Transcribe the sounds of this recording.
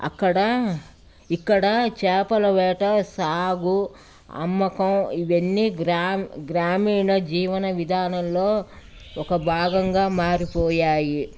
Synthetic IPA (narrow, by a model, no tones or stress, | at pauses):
ɐ̰kːɐɽɐ | ikːɐɽɐt͡ʃɛːpɐlɐʋɛːʈɐsaːɡu | ɐ̰mːɐkɐmiʋenːiɡɾamɡɾaːmiːɳɐd͡ʒiːʋɐnɐʋid̪ʱaːnɐmloː | ɔkɐbʱaːɡɐŋɡaːmaːɾipɔːjaːji